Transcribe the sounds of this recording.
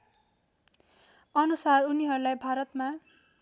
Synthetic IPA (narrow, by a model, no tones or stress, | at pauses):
ʌnusaruniɦʌɾulajbʱaɾʌt̪ma